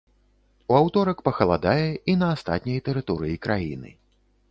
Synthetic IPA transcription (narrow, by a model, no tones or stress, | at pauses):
uawt̪ɔɾɐkpɐxɐlˠad̪ajɛinɐːst̪a̰t̪ʲnʲɐjt̪ɛɾɨt̪ɔɾɨjikɾajinɨ̰